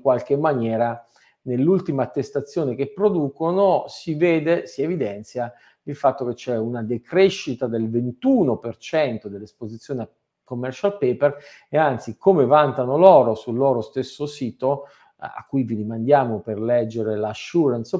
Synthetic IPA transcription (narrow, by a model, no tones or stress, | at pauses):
iŋkwalk̟emːanjɛːɾa | nelːult̪imaːt̪ːest̪at̪sːjoːnek̟epːɾod̪uːkonosiveːd̪esievid̪ɛnt̪sja | ilfat̪ːok̟et͡ʃːɛunad̪ekɾeʃːit̪ad̪elvent̪uːnopert͡ʃɛnt̪od̪elːespozit̪sjoːnea | komːɛrt͡ʃalpeːper | eant̪sikomevant̪anolɔːɾosulːoːɾost̪esːosiːt̪o | a̰kːujvid̪imand̪jaːmoperlɛd͡ʒːeɾelaʃːuːɾans